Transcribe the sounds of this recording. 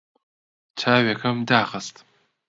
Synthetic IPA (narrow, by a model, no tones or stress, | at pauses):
t͡ʃʰaːɥʲakʰɐmdaːχɐstʼ